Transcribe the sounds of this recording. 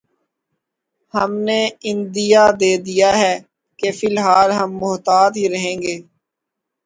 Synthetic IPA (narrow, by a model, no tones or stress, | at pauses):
həmneɪ̃nd̪ɪjad̪eːd̪ijaɦɛː | kefɪlɦaːlɦəmːʊɦt̪aːd̪ɦiɾɐɦẽːŋɡeː